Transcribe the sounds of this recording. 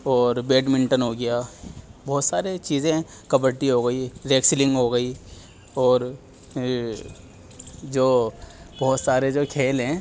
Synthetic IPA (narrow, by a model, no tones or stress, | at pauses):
ɔːɾbeːɖmɪ̃ɳʈənɦoɡɐjaːbɔːt̪saːɾet͡ʃiːzẽ | kɐbəɾʈiɦoɡəiɾeːksɪlɪ̃ŋɡɦoɡəi | ɔːɾ | d͡ʒoːbɔːt̪saːɾed͡ʒoːkʰeːlɦɛ̃